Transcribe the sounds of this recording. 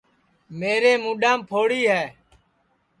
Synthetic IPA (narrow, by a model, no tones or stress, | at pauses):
meːɾeːmũːɗãːmpʰoːɽiːɦɛː